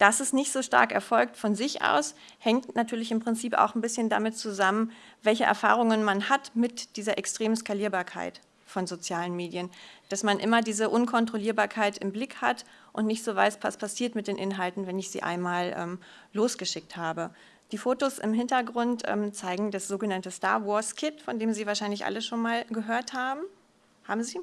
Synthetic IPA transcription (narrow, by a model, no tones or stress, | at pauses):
d̥asɪstnɪçtz̥oːʃta̰ɐkɛ̰ɐfɔlk̚tfɔnzɪçʔa̰ʊs | hɛŋtnatʰyːɐlɪçɪmpʁ̥ɪnt͡siːpa̰ʊxn̩bɪsçənda̰mɪtt͡suzamənvɛlçəʔɛ̰ɐfa̰ːʁ̞ʊŋənmanhatmɪtd̥iːzɐʔɛkstʁ̥eːm̩skaliːɐbaːɐkʰa̰ɪt | fɔnzot͡sjaːlənmeːdjənd̥asmanʔɪmɐdiːzəʔʊnkʰɔntʁ̥oliːɐbaːɐkʰaɪtɪmblɪkha̰t | ʔʊntnɪçtz̥oːva̰ɪspʰaspʰasiːɐtmɪtd̥eːnʔɪnɦaltn̩vɛnɪçz̥ḭːʔa̰ɪnmaːlʔɛ̰ːm | loːsɡ̥əʃɪk̚thaːbə | d̥iːfoːtosɪ̰mɦɪntɐɡʁʊntʔɛ̰ːmt͡saɪɡŋ̩dasz̥oːɡənantəsta̰ːɐwɔɐskʰɪtfɔndeːmziːvaːɐʃaɪnlɪçʔa̰ləʃoːnmaːlɡəɦøːɐthaːbm̩ | ha̰ːbm̩ziː